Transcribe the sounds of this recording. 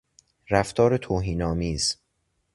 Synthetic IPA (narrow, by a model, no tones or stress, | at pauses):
ɾæft̪ʰɒːɾet̪ʰoːɦiːnɒːmiːz̥